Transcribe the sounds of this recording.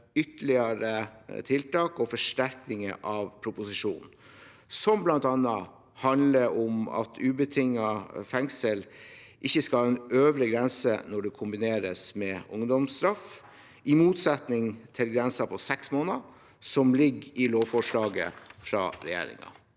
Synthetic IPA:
ʏt̪əlɪɑɾət̪ʰɪlt̪ɑːkɔfɔʂʈæɾknɪŋəʔɑʋpʰɾʊpʊsɪʂṵːn | sɔmblɑnt̪ɑnːɑ | hɑnd̪ləɔmɑ̰t̪ʰʉːbət̪ʰɪŋːɑfɛŋsəlʔɪçːəskɑlhɑːɛnøːʋɾəɡɾɛnsə̰nɔɖɛkʰʊmbɪneːɾəsmɛʊŋd̪ɔmst̪ɾɑf | ɪmuːt̪sɛt̪nɪŋt̪ʰɪlɡɾɛnsɑpʰɔsɛksmoːnɑ | sɔmlɪɡɪloːʋfɔʂɭɑːɡə̰fɾɑ̰ːɾɛ̰jḛːɾɪ̰ŋɑ̰

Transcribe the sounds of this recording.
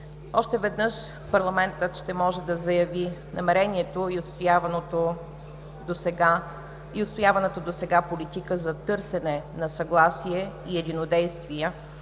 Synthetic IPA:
ɔʃt̪ɛvɛd̪nɤʃ | pɐɾlˠɐmɛnt̪ət̪ʃt̪ɛmɔʒɛd̪ɐzɐjɐvinɐmɛɾɛniɛt̪oiot̪st̪javnot̪o | d̪osɛɡa | iot̪st̪ojavɐnɛt̪od̪osɛɡapolit̪ikəzɐt̪ɤɾsɛnɛnɐsɐɡlˠasiɛiɛd̪inod̪ɛjst̪viə

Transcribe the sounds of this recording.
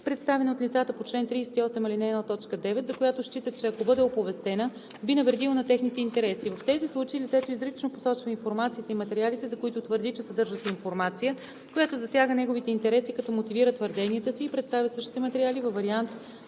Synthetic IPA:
pɾɛt̪st̪avɛnot̪lʲit̪sat̪əpot͡ʃlɛnt̪ɾijsɛ̥t̪iɔsɛmilinɛːnɔt̪ɔt͡ʃkəd̪ɛvɛt̪zɐkojat̪oʃt͡ʃit̪ət͡ʃɛɐkobɤd̪ɛopovɛst̪ɛnə | binɐvɾɛd̪ilˠonɐt̪ɛxnit̪ɛint̪ɛɾɛsivɐft̪ɛzislˠut͡ʃeilʲit̪sɛt̪oizɾit͡ʃnoposɔt͡ʃvəinfoɾmat̪sijət̪əimɐt̪ɛɾialit̪ɛzɐkoit̪ot̪vəɾd̪it͡ʃɛsɐd̪ɤɾʒət̪ɛinfoɾmat̪sijə | kojat̪ozɐsʲjaɡənɛɡovit̪ɛint̪ɛɾɛsikɐt̪ɔmot̪iviɾət̪vəɾd̪ɛniɛt̪əsiːpɾɛt̪st̪avʲjəsɤʃt̪i̥t̪ɛmɐt̪ɛɾʲialivɐvɐɾiant̪

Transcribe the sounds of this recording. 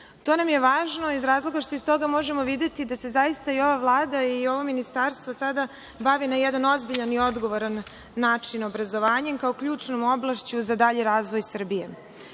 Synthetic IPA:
t̪o̞namjeʋaːʒnoizɾaːzlˠo̞ɡaʃt̪oist̪o̞ɡamo̞ʒe̞moʋid̪e̞t̪id̪ase̞zajist̪aio̞ʋavlˠaːd̪aio̞ʋo̞minist̪aːɾst̪ʋosad̪a | baʋinajɛd̪ano̞zbiʎanio̞d̪ɡo̞ʋo̞ɾanː | aːt͡ʂino̞bɾazo̞ʋaːɲemkaokʎuːt͡ʂno̞mo̞blˠaʃt͡ɕuzad̪aʎiɾaːzʋo̞jsr̩bijḛ

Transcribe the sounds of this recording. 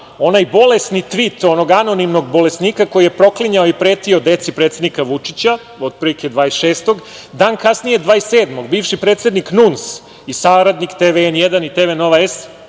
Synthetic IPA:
o̞najbo̞le̞snit̪ʋit̪ono̞ɡano̞nimno̞ɡbo̞le̞sniːkako̞jijepɾo̞kliɲaoipɾe̞ːt̪io̞d̪e̞t̪sipɾet̪sed̪nikaʋut͡ʂit͡ɕa | od̪̚pɾiliked̪ʋaːesʃeːst̪o̞ɡd̪aːnkasnije̞d̪ʋaːeseːd̪mo̞ɡ̚biːfʃipɾe̞ːt̪se̞d̪niknuns | isaːɾad̪nikt̪eːʋeenjed̪anit̪eʋeno̞ʋaes

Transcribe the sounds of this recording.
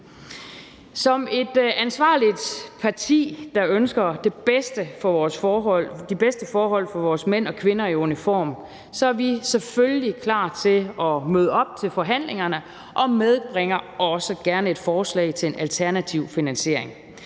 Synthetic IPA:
sɒ̽me̝d̥ænsʋɑ̰̈ːlid̥pʰɑ̈t͡sʰḭːd̥ɑ̈ønsɡ̥ɐd̥eb̥esd̥əfɒɒːsd̥ib̥esd̥əfɒːɦɒ̽l̰fɒ̽ʋɒːsmen̰ɒ̽kʰʋe̝nɐiunifɒ̰ːm | sɒ̽æɐʋisefølːikʰlɑ̰̈ːt͡sʰe̝ɒ̽møð̞ˠəɒ̽b̥̚t͡sʰe̝lfɒ̽ɦæn̰leŋɐnə | ʔɒ̽með̞ˠb̥ʁeŋ̰ɐɒ̽səɡ̥æɐnəe̝d̥fɒːslɛ̰ɪt͡sʰe̝enʔælt͡sʰæɐnæt͡sʰiʊfinænɕe̝ɐ̰e̝ŋ

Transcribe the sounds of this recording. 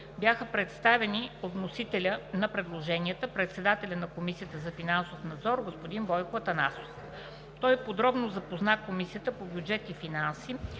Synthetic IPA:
bjaxəpɾɛt̪st̪avɛniot̪nosit̪ɛlʲənɐpɾɛd̪lˠoʒɛniət̪əpɾɛt̪sɛd̪at̪ɛlʲənɐkomisijət̪əzɐfinansofnɐd̪zɔɾɡospod̪inbɔjkoɐt̪ɐnaso̥f | t̪ɔjpod̪ɾɔbnozɐpoznakomisijət̪əpobjud͡ʒɛt̪ifinansi

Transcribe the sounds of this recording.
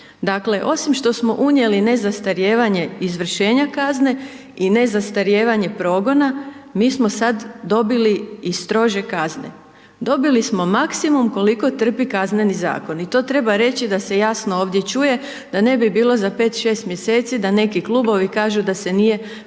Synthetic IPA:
d̪akle̞ʔo̞simʃt̪o̞smo̞ʔuɲje̞line̞zast̪aɾjeːʋaɲe̞izʋr̩ʃe̞ːɲakazne̞ | ine̞zast̪aɾjeːʋaɲe̞pɾo̞ːɡo̞namiːsmosad̪ːo̞biliist̪ɾo̞ʒe̞kazne̞̰ | d̪o̞bilismo̞maksimumko̞liko̞t̪r̩pikazne̞niza̰ːko̞nit̪o̞ːt̪ɾe̞baɾe̞t͡ɕid̪ase̞jasnooːʋd̪je̞t͡ʃuje̞ | d̪̥ane̞bibiːlˠo̞zape̞ːt̪ʃe̞ːst̪mje̞se̞ːt̪sid̪ane̞kikluːbo̞ʋikaːʒud̪ase̞nije̞

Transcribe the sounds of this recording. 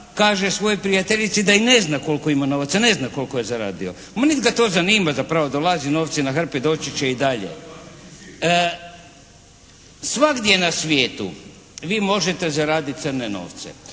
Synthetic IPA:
kaːʒesʋo̞jopɾijat̪e̞ʎit̪sid̪aine̞znako̞lkoimano̞ʋat̪sane̞znako̞lkoje̞zaɾa̰ːd̪io̞̰ | mnid̪ɡat̪o̞ːzaniːmazapɾaʋod̪olˠazino̞ːʋt̪sinaxr̩pid̪o̞ːt͡ʃit͡ɕeid̪aʎḛ | sʋaɡd̪je̞nasʋje̞ːt̪ṵ | ʋiːmo̞ʒet̪e̞zaɾaːd̪it̪t̪sərneno̞̰ːʋt̪sḛ

